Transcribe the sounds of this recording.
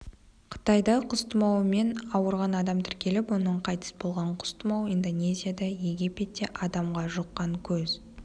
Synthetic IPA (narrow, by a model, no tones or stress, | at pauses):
qʰə̥t̪ɑjd̪ɑqʰʊst̪əmɑwəme̞nɑwəɾʁɑnɑd̪ɑmt̪ʰɪɾkʲe̞lɪpwo̞nəɴqʰɑjt̪ə̥sbo̞lˠʁɑɴqʰʊ̥st̪əmɑwijnd̪o̞nʲe̞zʲijad̪ɑje̞ɡʲipʲet̪ːeʔɑd̪ɑmʁɑʒoqːɑŋkʲʰɵz